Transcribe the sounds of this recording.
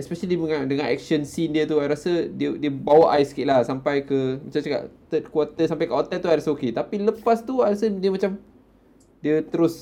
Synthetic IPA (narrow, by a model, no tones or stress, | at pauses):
ɛspɛʃəliəŋãdəŋãnɛ̰k̚ʃənsindiət̪uajɾasədiədiəbawaʔajskɪʔ̪̚lahsampajkəmat͡ʃamt͡ʃaka̰ʔt̪ət̪̚kwat̪əsampajkəot̪ɛt̪uajɾasəoket̪apiləpast̪uajɾasədiəmat͡ʃam | diət̪əɾʊs